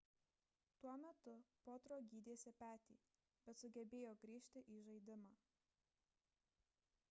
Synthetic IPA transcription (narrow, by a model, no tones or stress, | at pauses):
t̪uɔmʲɛt̪ʊpoːt̪ɾoːɡʲiːd̪ʲeːsʲɪpʲæːt̪ʲḭː | bʲɛt̪sʊɡʲɛbʲeːjoːɡɾʲiːʃʲt̪ʲɪʔiːʒɐɪd̪ʲɪmɑː